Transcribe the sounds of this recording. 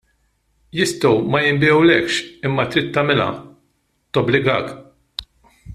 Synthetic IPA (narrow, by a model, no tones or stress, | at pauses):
jɪst̪ɐwmɐjɪmbiɛwlɛkʃɪmːɐt̪ɾɪt̪ːɐmɪlɐ̰ | t̪ɔblɪɡɐ̰ːk